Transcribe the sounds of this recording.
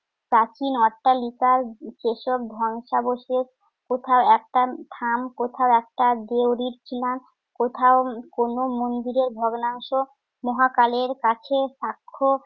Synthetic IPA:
pɾat͡ɕinɔʈːalikaɾt͡ɕeʃob̚d̪ʱɔŋʃaboʃet͡ɕ | kot̪ʰaoɛk̚ʈaʈʰamkot̪ʰaoɛk̚ʈad̪ewɾiɾt͡ɕʰilan | kot̪ʰaokonomond̪iɾeɾbʱɔɡnaŋʃo | mɔɦakaleɾkat͡ɕʰeʃakʰːo

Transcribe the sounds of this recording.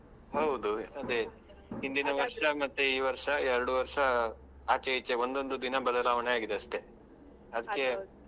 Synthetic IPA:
ɦɐwd̪uɐd̪e | ɦind̪inɐʋɐɾʂɐmɐt̪ːuiːʋɐɾʂɐɛɾɐɽuʋɐɾʂɐ | aːt͡ʃeit͡ʃeo̞nd̪o̞nd̪ud̪inɐbɐd̪ɐlaːʋɐɳeaːɡid̪eɐʂʈ̪e̞ | ɐd̪ɐkːe̞

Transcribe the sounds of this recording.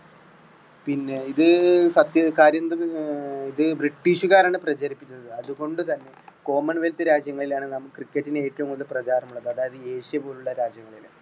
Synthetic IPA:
pinːe̞iðɨsɐt̪jɐkaːɾjɐnd̪rɐiðɨbriʈːiːʂuɣaːɾaːɳɨprɐt͡ɕɐɾipːitʲːunːɐðɨɐðuɣo̞ɳɖɨt̪ɐnːe̞ko̞ːmɐɳʋelt̪ːɨɾaːd͡ʑjɐŋːɐɭilaːɳɨnɐmːukkːrikʲːɐtːineeːtːɐʋumkoilprɐt͡ɕaːɾɐmuɭːɐðɨɐðaːjɐðɨe̞ːʂjɐpo̞ːluɭːɐɾaːd͡ʑjɐŋːɐɭil̰

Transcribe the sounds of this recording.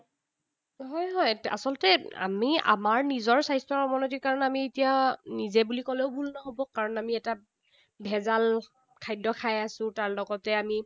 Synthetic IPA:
ɦɔjɦɔja̰sɔlɔtɛa̰mia̰maɹnizɔɹsajstɹɔɹɔmɔnotiɹkaɹɔnamietijanizɛbulikɔleʊbʱulnɔɦobɔkaɹɔnamiɛta | bʱɛzal | kʰajdɔkʰajasʊ̃taɹlɔɡɔtɛami

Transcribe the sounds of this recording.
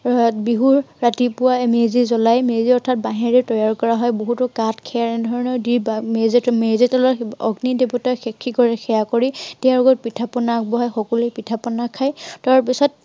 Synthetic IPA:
biɦuɹːatipʊwamezizɔlajmeziɔɹtʰat̚baɦɛɹɛtɔjaɹkɔɹaɦɔjboɦutʊkatkʰɛjaɹɛnɛdʱɔɹɔnɔdibmeztmeztɔlɔɔ̰ɡnidebɔtaxɛkʰːikɔɹɛxʰɛjakɔɹitɛãɹɔɡɔt̚pitʰapɔnak̚bɔɦɔjxɔkɔlejpitʰapɔnakʰajtaɹpisɔt̚

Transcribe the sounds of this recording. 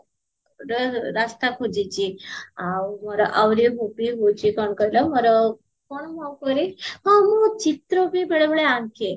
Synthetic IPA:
ɾəɾast̪akʰod͡ʑit͡ɕiawməɾaʔawɾiɦopiɦot͡ɕikəɳkəjləməɾa | koɳmawkəɾimamət͡ɕit̪ɾəpibeɽəʋɭeankʰe

